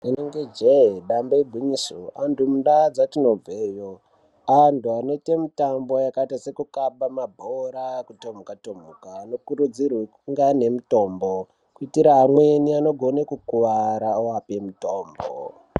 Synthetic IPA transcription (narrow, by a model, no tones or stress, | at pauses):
ineŋɡed͡ʒeɗambaibʱiɲisoandumuɗad͡zatino̞veːjo | antuano̞ite̞mitambo̞jakaitase̞kukaɓamabʱoɾakutom̤ukatom̤ukaːno̞kuɾud͡zirwekuŋɡane̞mito̞ːmbo | kuitiɾaɦamweniano̞ɡʱo̞nekukuʋaɾaoapemutoːmbo̰